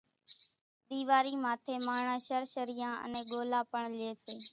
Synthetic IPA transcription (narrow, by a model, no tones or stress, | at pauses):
ɗ̪iːʋaːɾiːmaːt̪ʰeːmaːɳãːʃəɾʃəɾiːãːʔə̰nẽːɠoːlaːpəɳleːseː